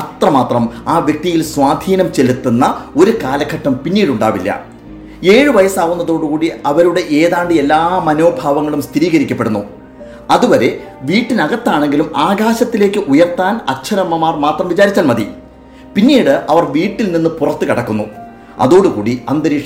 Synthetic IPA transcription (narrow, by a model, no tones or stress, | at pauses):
ɐt̪rɐmaːt̪rɐmaːʋjek̚t̪ijilswaːd̪ʱiːnɐmt͡ɕe̞lut̪ːunːɐo̞ɾukaːlɐkʰːɐʈːɐmpinːiːɽuɳɖa̰ːʋilːɐ̰ | e̞ːɻɨʋɐjɐsaːʋunːɐðo̞ːɽukuːɽiɐʋɐɾuɽe̞ʔeːðaːɳɖɨelːaːmɐno̞ːbʱaːʋɐŋːɐɭumst̪ʰiɾiːɣɐɾikʲːɐpːeɽunːu | ɐðuʋɐɾe̞ | ʋiːʈːinɐɣɐt̪ːaːɳe̞ŋɡilumaːɡaːɕɐt̪ːile̞ːkːɨʔujɐrt̪ːaːnɐɕʰɐɾɐmːɐmaːrmaːt̪rɐmʋit͡ɕaːɾit͡ɕːaːlmɐd̪ḭ | pinːiːɽɨʔɐʋɐrʋiːʈːilninːɨpurɐt̪ːɨkɐɽɐkːunːu | ɐ̰ðo̞ːɽukuːɽiɐnd̪ɐɾiːʂ